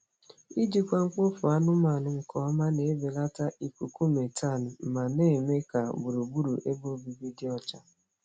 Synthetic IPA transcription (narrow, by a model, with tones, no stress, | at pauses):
i˦d͡ʒi˨kʷa˦ŋ̩˦k͡pʊ˦fʊ˨a˦nʊ˦ma˨nʊ˨ŋ̩˨kɔ˨a˦ma˦ne˨e˦be˨la˦ta˦ʔi˨ku˨ku˦me˨tʰa˦˨n̩˨m̩˨ma˨ne˦˨me˦ka˨bu˨ɾu˨bu˦ɾṵ˨ʔe˦bo˦bi˨bi˦di˦ɔ˦t͡ʃa˦